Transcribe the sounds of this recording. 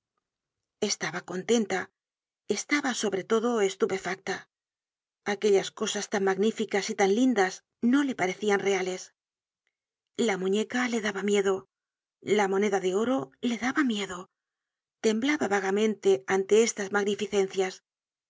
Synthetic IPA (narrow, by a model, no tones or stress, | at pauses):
e̞st̪aβako̞nt̪e̞nt̪a | e̞st̪aβaso̞βɾe̞t̪o̞ðo̞e̞st̪upe̞fak̚t̪a | ake̞ʎasko̞sast̪aŋmaɣnifikasit̪anlind̪as | no̞le̞paɾe̞θianre̞ale̞s | lamũɲe̞kale̞ðaβamje̞ðo̞ | lamo̞ne̞ðaðe̞o̞ɾo̞le̞ðaβamje̞ðo̞ | t̪e̞mblaβaβaɣ̞amẽ̞nt̪e̞ant̪e̞e̞st̪azmaɣnifiθe̞nθjas